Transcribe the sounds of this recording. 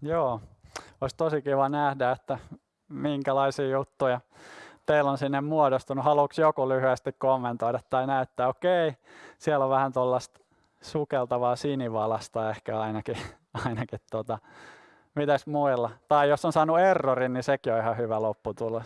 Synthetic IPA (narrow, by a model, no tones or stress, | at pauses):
joːoist̪osikiʋɑnæhdæet̪ːæ | miŋkælɑisiːjut̪ːujɑ | t̪eilːonsinːemmuodost̪unuhɑluksjokulyhyest̪ikkomːent̪oidɑt̪t̪ːɑinæyt̪ːæːokeisiɛloʋʋæhænt̪olːɑst̪ | sukelt̪ɑʋɑːsiniʋɑlɑst̪ɑehkæɑinɑki | ɑinɑkit̪tot̪ɑ | mit̪æsmuilːɑt̪ɑijosːonsɑːnuerːorinnisekioihɑhyʋælopːut̪ulːɑ